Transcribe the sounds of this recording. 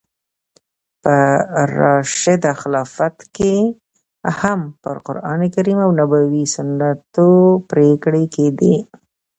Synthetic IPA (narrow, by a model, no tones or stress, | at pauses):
pəɾɑʃɪd̪axlɑfat̪ke | hampə̰ɾqʊɾɑ̰nekaɾimawnabawisʊnːat̪opɾekɽeked̪i